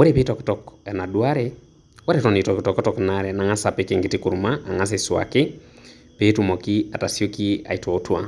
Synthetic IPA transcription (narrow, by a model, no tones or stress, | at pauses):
oɾepetɔktɔkɛnadwaɾɛ | waɾɛtɔnetɔkitɔkɔtɔknaɾɛnaŋasapekeŋɡetikuɾumaːŋas̬eswa̰kɪ | petumɔkiatasjokia̰itwɔotwa